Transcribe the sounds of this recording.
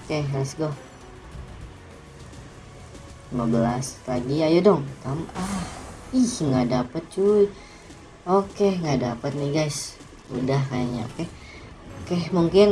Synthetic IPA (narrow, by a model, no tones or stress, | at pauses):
okerasɡo | llimabəla̰st̪aɡiajudɔŋt̪amahihŋɡadapət̪̚t͡ʃui | okeŋɡada̰pət̪̚nɪhɡajs | ṵdahka̰ja̰ɲa̰o̰ke | okehmuŋkɪn